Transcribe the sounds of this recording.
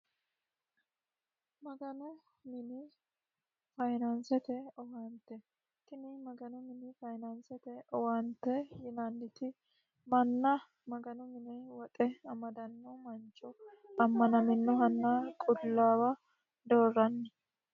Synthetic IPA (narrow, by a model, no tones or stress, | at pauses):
mɐɡɐnɔ | mɪnɪ | fɐjnɐnsɛt̪ɛɔwɐnt̪ːɛ | t̪ɪnɪmɐɡɐnɔmɪnɪfɐjnɐnsɛt̪ɛɔwɐnt̪ːɛjɪnɐnːɪt̪ɪ | mɐnːɐ | mɐɡɐnɔmɪnɛwɔt̪ʼɛɐmɐd̪ɐnːɔmɐnt͡ʃʼːʊɐmːɐnɐmɪnːɔɦɐnːakʼʊlːaːwa | d̪oːrːɐnːɛ